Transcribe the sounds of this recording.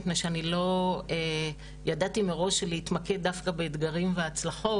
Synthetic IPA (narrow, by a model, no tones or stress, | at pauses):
pnejʃeanilo̞e | jadatimeʁo̞ʃelehit̪maked̚ːafkabeːd̪ɡaʁimveat͡slaχo̞